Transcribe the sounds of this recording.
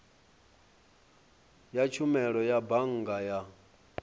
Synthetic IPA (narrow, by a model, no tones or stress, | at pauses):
jat͡ʃʰumɛɺɔjabaŋ̩ɡaja